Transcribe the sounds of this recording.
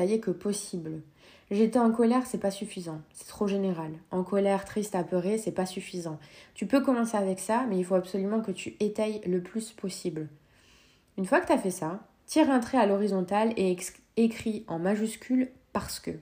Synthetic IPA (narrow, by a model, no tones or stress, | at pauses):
ajɛkəpɔsibl | ʒet̪ɛɑ̃kɔlɛʁsɛpasyfizɑ̃sɛ̥t̪χoʒeneʁalɑ̃kɔlɛʁt̪χist̪apəʁesɛpasyfizɑ̃t̪ypøkɔmɑ̃seavɛksamɛilfoabsɔlymɑ̃kət̪yet̪ajləplyspʰɔsibl | ynfwakə̥t̪yafɛsa | t̪ʰiʁɛ̃t̪χɛalɔʁizɔ̃t̪ale | ekχiɑ̃maʒyskʲylpaʁsə̥kə